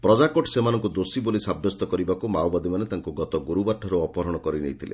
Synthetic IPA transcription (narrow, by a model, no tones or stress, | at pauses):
pɾɔd͡ʒakoʈsemanɔ̃ŋkud̪osibolisabjɔst̪ɔkɔɾibakumawbad̪imanet̪aŋkuɡɔt̪ɔɡuɾubaʈʰːɔɾuɔpɔɾɔɽ̃ɔkɔɾinḛjt̪ʰilḛ